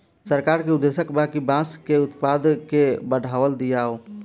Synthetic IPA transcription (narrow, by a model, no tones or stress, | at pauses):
səɾkaɾkeʊd̪ːesəkbakibãskeʊt̪pad̪kebəɽʱaʋəld̪ijao